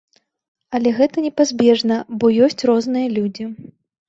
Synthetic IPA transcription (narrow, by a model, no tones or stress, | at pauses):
ɐlʲɛɣɛt̪ɐnʲɛpazʲbʲɛʐnɐbɔjɔsʲt͡sʲrɔznɨjɐlʲud͡zʲi